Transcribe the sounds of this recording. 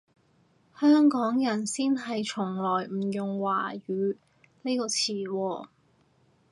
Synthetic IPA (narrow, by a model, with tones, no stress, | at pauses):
hœː˥ŋkɔː˨˥ŋjɐ˨˩nsiː˥nɦɐ˨jt͡ʃʰʊ˨˩ŋlɔː˨˩jm̩˨˩jʊ˨ŋwaː˨˩ɥyː˨˧ | le˥kɔː˧t͡sʰiː˨˩wɔː˧